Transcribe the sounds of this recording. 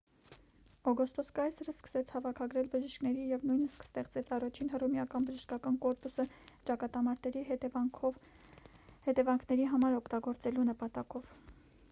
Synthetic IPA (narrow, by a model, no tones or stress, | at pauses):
ɔɡɔst̪ɔskɑjsəɾəskə̥sɛt͡sʰhɑvɑkʰɑɡɾɛlbəʒiʃknɛɾijɛvnujnəskst̪ɛχt͡sɛt͡sʰɑrɑt͡ʃʰinɦərumjɑkɑnbəʒəʃkɑkɑnkɔɾpusət͡ʃɑkɑt̪ɑmɑɾt̪ɛɾiɦɛɛɔ | hɛt̪ɛvɑŋkʰnɛɾiɦɑmɑɾɔkʰt̪ɑɡɔɾt͡sɛlunəpɑt̪ɑkɔv